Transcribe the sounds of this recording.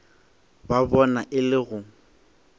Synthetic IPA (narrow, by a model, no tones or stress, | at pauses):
babɔnaʔɪlɪɣʊ